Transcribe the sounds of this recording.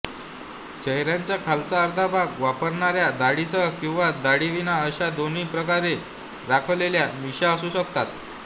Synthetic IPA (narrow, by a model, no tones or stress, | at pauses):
t͡ɕəɦɾjaɲt͡ɕjakʰalt͡saəɾd̪ʱabʱaɡʋapəɾɳaɾjad̪aɽisəɦəkĩw̃ʋad̪aɽiʋinaəɕad̪oniːpɾəkaɾe | ɾakʰəʋleljamiɕaəsuːɕəkt̪at̪